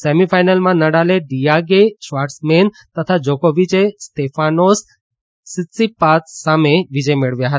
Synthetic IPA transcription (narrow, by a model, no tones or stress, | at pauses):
semifajnəlmãnəɽaleɖijaɡeʃʋaɾʈsmen | t̪ət̪ʰad͡ʒokoʋit͡ʃest̪efanos | sit̪sipat̪sameʋid͡ʒəjmeɭʋjaɦət̪aa